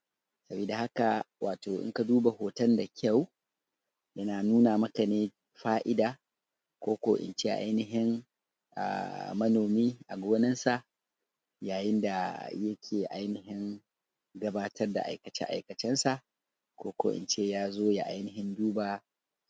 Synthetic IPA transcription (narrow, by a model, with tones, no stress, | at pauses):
sɐ˨biː˨da˨ha˦ka˨wʔaː˨toː˨ʔɪ̰˦ŋka˨duː˦ba˨hoː˨tɐ˦nda˨kʲʰɐ˦˨w | jɐ˦naː˨nuː˦na˨mɐ˦ka˨neː˦ | ɸaː˦ʔɪ˦daː˨ | kʷoː˦kʷo̰ː˨ʔɪ̰˨nt͡ʃeː˦ʔa̰˦jnɪ˨ɦɪ˦ŋ | ʔa̰ː˨mɐ˦noː˨miː˦ʔa˨ɡʷoː˦nɪ˦nsa˨ʔ | jaː˨jɪ˦nda˨jɐ˦kʲʰeː˨ʔa˦jnɪ˨ɦɪ˦ŋ | ɡɐ˦baː˦tɐ˦rda̰˨ʔa̰˨jkɐ˨t͡ʃɛ̰˦ʔa̰˨jkɐ˨t͡ʃɪ˦nsa˨ʔ | kʷoː˦ko̰ː˨ʔɪ̰˨nt͡ʃeː˦jaː˦zoː˦ja̰˨ʔa˦jnɪ˨ɦɪ˦nduː˦baː˨